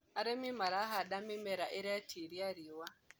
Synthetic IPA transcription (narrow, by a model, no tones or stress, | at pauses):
aɾɛmimaɾaɦaɗamimɛɾaʔiɾaatʰiɾiaɾiwa